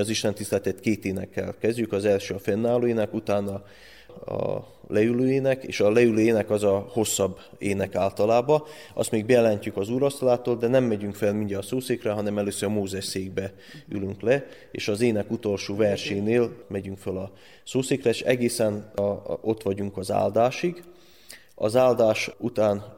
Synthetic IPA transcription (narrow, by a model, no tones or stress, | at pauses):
ɒziʃlɛnt̪ist̪ɛlt̪ɛt̪keːt̪eːnɛ̰kːɛ̰lkɛzɟykɒzɛlʃøːɒfɛnːaːloːjeːnɛkut̪aːnɒ | ɒ̰ | lɛyløːjeːnɛkḛːʃɒlɛyløːjeːnɛkɒzɒho̞sːɒbː | eːnɛkaːlt̪ɒlaːbɒ | ɒ̰st̪meːɡ̚bɛjɛlɛɲcykɒzuːɾɒst̪olaːt̪oːld̪ɛnɛmːɛɟyŋkfɛlmiɲɟɛːsoːseːkrɛɦɒnɛmɛløːsøɾɒmoːzɛʃseːɡ̚bɛ | y̰lyŋklɛ | ḛːʃɒzeːnɛkut̪o̞lʃoːvɛrʃɛːneːlmɛɟyŋkfølɒ | soːseːkrɛʃɛ̰ɡeːsɛno̞t̪ʋɒɟuŋkɒza̰ːld̪aːʃiɡ | ɒ̰zaːld̪aːʃut̪aːn